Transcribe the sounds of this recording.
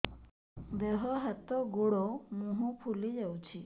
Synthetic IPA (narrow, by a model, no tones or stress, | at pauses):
d̪eɦɔɦat̪ɔɡuɽɔmũɦɔ̃pʰulid͡ʒawt͡ʃʰi